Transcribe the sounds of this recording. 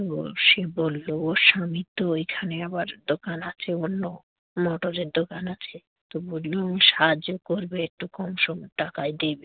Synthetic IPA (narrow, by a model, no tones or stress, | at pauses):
oʃebolːooʃamit̪ːoejkʰaneabaɾd̪okanat͡ɕʰeonːo | mɔʈoɾeɾd̪okanat͡ɕʰe | t̪obollomʃad͡ʑokoɾbeek̚ʈukɔmʃɔmɔʈakajd̪ebe